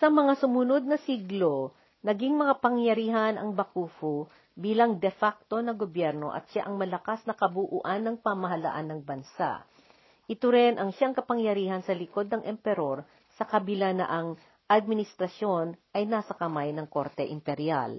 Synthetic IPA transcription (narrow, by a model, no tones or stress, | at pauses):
sɐmɐŋasʊmʊnod̪̚nɐsiɡlo | nɐɡiŋmɐŋapɐŋjɐɾiːɦɐnɐŋbɐkuːfu | biːlɐŋd̪ɛfak̚t̪o̞nɐɡobjɛɾno̞̰ʔɐ̰t̪ʃa̰ʔɐŋmɐlɐkasnɐkɐbuʔṵːʔanːɐŋpɐmɐɦɐlɐ̰ʔanːɐŋbɐnsa̰ʔ | ʔɪt̪oɾɛnʔɐŋʃaʔɐŋkɐpɐŋjɐɾiːhɐnsɐlɪko̞d̪̚nɐŋʔɛmpɛɾo̞ɾ | sɐkɐbɪlanɐ̰ʔɐŋ | ʔɐd̪̚mɪnɪst̪ɾɐsjo̞nʔɐjnaːsɐkɐmajnɐŋko̞ɾt̪ɛʔɪmpɛɾja̰l